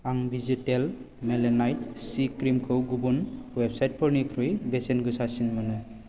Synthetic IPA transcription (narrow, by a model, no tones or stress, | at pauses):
aŋbʱizitel | melenajtsikɾimkʰɯwɡubunwebsajt̚pʰɔɾnikʰɾɯjbesenɡɯsasinmanɯ